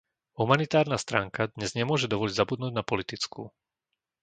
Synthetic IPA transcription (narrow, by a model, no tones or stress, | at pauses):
ɦumanit̪aːɾnast̪ɾaːŋkad̪ɲɛzɲɛmʊɔʒɛd̪ɔʋɔliɟzabud̪nuːɟnapɔlit̪it͡skṵː